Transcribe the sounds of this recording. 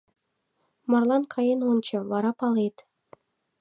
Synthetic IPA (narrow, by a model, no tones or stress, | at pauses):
mɑrlˠɑnkʰɑjenont͡ɕɤ̆βɑɾɑpɑlet̪